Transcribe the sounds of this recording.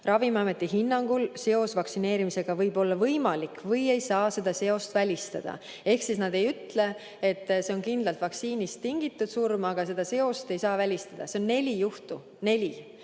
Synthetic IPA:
rʔɑvimɑme̞t̪ːˑiɦinːɑŋɡ̥ulse̞o̞svɑksine̞ːɾimise̞ɡ̥ɑvɤjbo̞lːɑvɤjmɑlikːˑvɤje̞jsɑːse̞d̪̥ɑse̞o̞st̪vælʲist̪ɑd̪̥ɑ̰ | e̞hksisnɑd̪̥e̞jyt̪le̞ | et̪ːˑse̞o̞nkind̪lɑlt̪vɑksiːnist̪ːiŋɡit̪ːˑud̪̥surmɑɡ̥ɑse̞d̪̥ɑse̞o̞st̪e̞jsɑːvælʲist̪ɑd̪̥ɑ̰se̞o̞nːe̞lʲijuht̪u | ne̞lʲi

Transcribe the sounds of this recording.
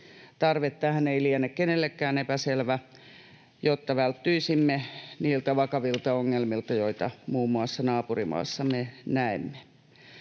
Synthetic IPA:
t̪ɑrʋet̪ːæhæneiliænːekkenelːekːæːnepæselʋæ | jot̪ːɑʋælt̪ːyisimːeniːlt̪æʋɑkɑʋilt̪ɑoŋːelmilt̪ɑjoit̪ɑ̰muːmːuɑsːɑnɑːpurimɑ̰ːsːɑmenæemːe̥

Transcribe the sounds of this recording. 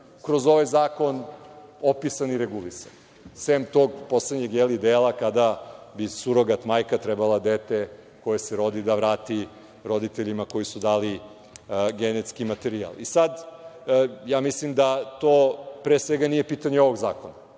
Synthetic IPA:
kɾo̞zo̞ʋajzaːko̞nopisaniɾeɡulisa̰n | semt̪o̞ːɡpo̞sled̪ɲeɡjelid̪eːlˠakad̪abisuɾoɡat̪majkat̪ɾɛbalˠad̪et̪e | ko̞jeseɾo̞d̪id̪aʋɾaːt̪i | ɾo̞d̪it̪eʎimako̞jisud̪aːli | ɡenet̪skimat̪eɾia̰lisad̪ | jaːmislimd̪at̪oːpɾesʋeɡanije̞piːt̪aɲeo̞ʋo̞ɡzaːkona

